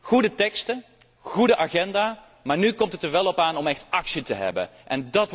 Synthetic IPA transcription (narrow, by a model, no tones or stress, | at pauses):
χudətɛkstə | χudəʔaːχɛndaː | maːɹnykɔmtətəɹʋɛlˠɔpaːnɔmɛxtɑksitəɦɛ̰bə̰nʔɛndɑt